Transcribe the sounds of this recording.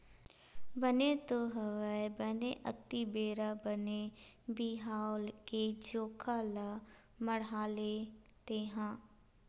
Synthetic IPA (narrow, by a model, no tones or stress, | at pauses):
bənet̪oɦəʋəebəneʔə̰t̪ibeːɾabənebiɦaːʊlked͡ʒoːkʰala | məɽaːle | t̪eːɦãː